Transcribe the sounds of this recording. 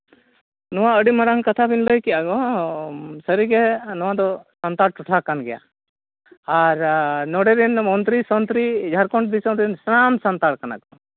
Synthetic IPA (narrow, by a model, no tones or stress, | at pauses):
nɔwaəɖimaɾaŋkat̪ʰabinləjkiʔaɡɔ | səɾiɡɛnɔwad̪ɔsant̪aɽʈuʈʰakanɡɛja̰ | aɾnɔɽɛɾinmɔnt̪ɾisɔnt̪ɾid͡ʒʱaɾkɔɳʈb̪isɔ̃nt̪ɾinsnamsant̪aɽkana̰ɡɔ